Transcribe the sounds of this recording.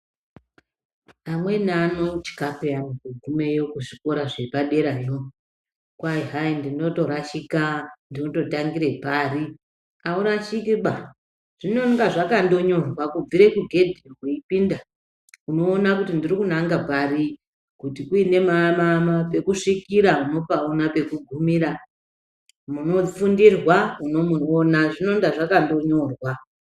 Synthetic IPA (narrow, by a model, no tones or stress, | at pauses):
amwe̞nano̞t͡ʃi̥kapeanokuɡʱume̞jo̞kuʐiko̞ɾaʐepaɗe̞ɾajo | kwaiɦaindino̞to̞ɾaʃikandino̞to̞taŋɡiɾepaːri | auɾaʃikiɓa | ʐ̥ino̞ŋɡaʐakando̞ɲo̞rwakub͡viɾe̞kuɡʱe̞dʱikuipinda | uno̞ːnakutindirikunaŋɡapari | kutikuine̞mamamape̞kuʂikiɾauno̞paonape̞kuɡʱumiɾa | muno̞fundirwauno̞muonaʐino̞ŋdaʐakando̞ɲo̞rwa